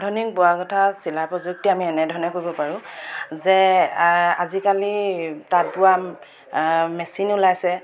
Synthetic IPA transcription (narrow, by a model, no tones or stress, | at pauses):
dʱɔnik̚bʊakɔtʰasilapɹɔzuk̚tiamiɛnɛdʱɔnɛkoɹibɔpaɹʊ̃zɛ | a̰zikalitat̚bʊwa | mɛsinulajsɛ